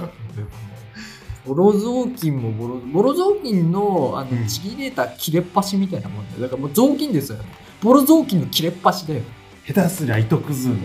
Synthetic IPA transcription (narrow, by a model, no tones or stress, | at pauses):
d̪emoo | b̥o̞ɾozo̞ːkʲĩmːo̞bo̞ɾobo̞ɾo̞zoːkʲĩnːo̞a̰no̞t͡ɕiɡʲiɾe̞t̪akʲiɾe̞pːaɕimʲit̪aina̰mõ̞nd̪a̰jo̰d̪akaɾamoːzo̞ːk̬ʲĩnd̪e̞sɨjo̰ne | b̥o̞ɾo̞zoːkʲĩnːokʲiɾe̞pːaɕid̪ajo | het̪asɨɾait̪okɯ̟zɨn